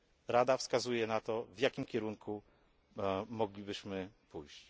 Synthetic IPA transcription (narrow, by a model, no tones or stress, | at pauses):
ɾad̪afskazujɛnat̪ɔvjakʲimkʲɛɾuŋkʰu | mɔɡlʲibɘɕmɘpujɕt͡ɕ